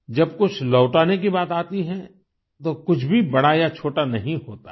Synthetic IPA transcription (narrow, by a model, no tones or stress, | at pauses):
d͡ʒɐb̚kʊt͡ʃʰlɔːʈaːnek̬ibaːt̪aːt̪iɦɛ | t̪okʊt͡ʃʰbʱibɐɽajat͡ʃʰoːʈanɐɦĩɦoːt̪a̰